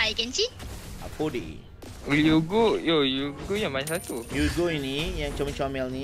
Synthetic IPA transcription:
ajkənt͡ʃia̰podḭ | juɡojojuɡojãmaɲsat̪ujuɡoinijaŋt͡ʃamə̃t͡ʃamɛlnĩ

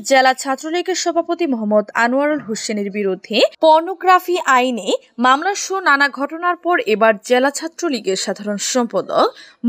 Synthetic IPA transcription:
d͡ʑelat͡ɕʰat̪ːɾoliɡeɾʃɔbʱapot̪imɔɦɔmːod̪anuaɾulɦoʃeneɾbiɾod̪ʱːepɔɾnoɡɾafiʔajne | mamlaʃonanaɡʱɔʈonaɾpɔɾebaɾd͡ʑelat͡ɕʰat̪ːɾoliɡeɾʃad̪ʱaɾonʃɔmpod̪ok

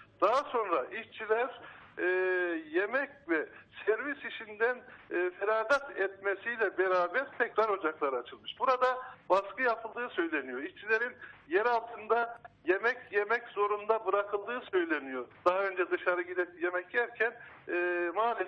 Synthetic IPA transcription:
d̪̥aɦaso̞nɾaʔiʃt͡ʃʰilʲæɾ | jemɛcvɛsæɾvisiʃind̪ænːfelaːɡ̪at̪ɛt̪mesijlʲɛbeɾaːbæɾt̪ʰɛcɾaɾho̞d͡ʒaklˠaɾɯat͡ʃʰɯlˠmɯʃbuɾad̪abaskɯjapʰɯlˠd̪ɯːsø̞jlʲe̞nijo̞iʃt͡ʃʰilʲe̞ɾinjeɾalˠt̪ʰɯnd̪aje̞mɛcjemɛczo̞ɾund̪abɯɾakʰɯlˠd̪ɯːsø̞jlʲenijo̞ɾd̪̥aɦaø̞nd͡ʒɛd̪ɯʃaɾɯɟid̪ɛjemɛcjæɾcʰænː | maːlʲi

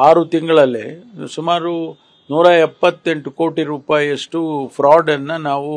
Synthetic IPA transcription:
aːɾut̪iŋɡɐɭɐlːḛsumaːɾu | nuːɾɐɛpːɐt̪ːe̞ɳʈuko̞ːʈiɾuːpaːjiɐʂʈupʰɾaːɖɐnːɐnaːʋu

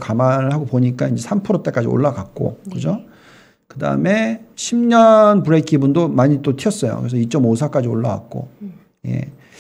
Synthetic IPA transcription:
kamanɯɭhaɡopoɲik͈aind͡ʑe̞sʰampʰɯɾot͈ek͈ad͡ʑḭo̰ɭːaɡak̚k͈o̰kɯd͡ʑo | kɯda̰ɯ̰me̞ɕʰimɲʌnpɯɾekʰibundomaɲit͈otʰiʌs͈ʌjo̰kɯɾesʰʌit͡ɕ͈ʌmosʰak͈ad͡ʑioɭːa̰ɡa̰k̚k͈o̰ | je̞̰

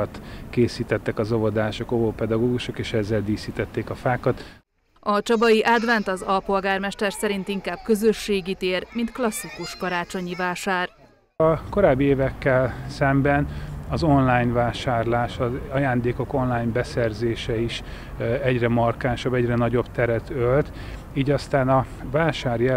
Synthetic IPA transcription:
t̪keːsiːt̪ɛt̪ːɛkɒzo̞vod̪aːʃokovoːpɛd̪ɒɡoːɡuʃo̞keːʃɛzːɛld̪iːsiːt̪ɛt̪ːeːkɒfaːkɒt̪ | ɒt͡ʃɒbɒjiʔaːd̪ʋɛnt̪ɒzɒlpo̞lɡaːrmɛʃt̪ɛrsɛɾint̪iŋkaːb̥̚kø̞zø̞ʃːeːɡit̪eːrmint̪klɒsːikuʃkɒɾaːt͡ʃo̞ɲivaːʃaːr | ɒko̞ɾaːbːieːvɛkːɛlsɛmbɛnɒzo̞nlaːjɲvaːʃaːrlaːʃɒɒjaːnd̪eːko̞ko̞nlaːjɲbɛsɛrzeːʃɛiʃ | ɛɟrɛmɒrkaːnʃɒbɛɟrɛnɒɟo̞bt̪ɛɾɛt̪ʰølt̪ | iːɟɒst̪aːnɒvaːʃaːɾjɛ

